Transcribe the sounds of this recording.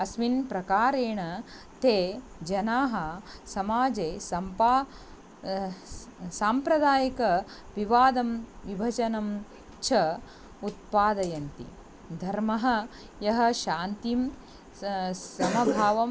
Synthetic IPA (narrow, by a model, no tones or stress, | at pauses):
ɐsʋinpɾɐkaːɾeːɳɐ | t̪eː | d͡ʒɐnaːɦɐsɐmaːd͡ʒeːsɐmpa | saːmpɾɐd̪aːjɐkɐʋiʋaːd̪ɐmʋibʱɐd͡ʒɐnɐm | t͡ʃʰɐ | ut̪̚paːd̪ɐjɐnt̪ḭ | d̪ʱɐɾmɐɦɐ̆ | jɐɦɐ̆ʃaːnt̪im | sɐmɐbʱaːʋɐm